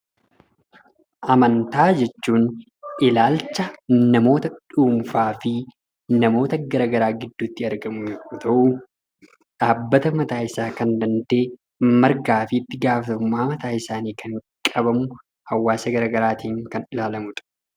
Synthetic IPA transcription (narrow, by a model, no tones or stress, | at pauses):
ʔɐmɐnt̪aːd͡ʒɛt͡ʃːuːn | ʔɪlaːlt͡ʃːɐnɐmo̞ːt̪ɐᶑuːmfaːfɪ | nɐmo̞ːt̪ɐɡɐɾaːɡɐɾaːɡɪd̪ːuːt̪ːɪɐɾɡɐmʊut̪ɐʔu | ᶑaːbːɐt̪ɐmɐt̪aːɪsaːkɐnd̪ɐnd̪e̞ː | mɐɾɡaːfɪːt̪ːɪɡaːfɐt̪ʊmːaːmɐt̪aːɪsaːniːkʰɐŋkʼɐbɐmʊ | hɐwːaːsɐɡɐɾaːɡɐɾaːt̪ʰiːŋkɐnɪlaːlɐmʊt̪ʼɐ̥